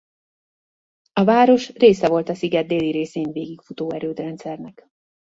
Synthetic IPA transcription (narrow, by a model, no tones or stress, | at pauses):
ɒvaːɾo̞ʃreːsɛvo̞lt̪ɒsiɡɛd̪̚d̪eːlːiɾeːseːnveːɡikfut̪oːɛɾøːt̪rɛnt̪sɛrnɛk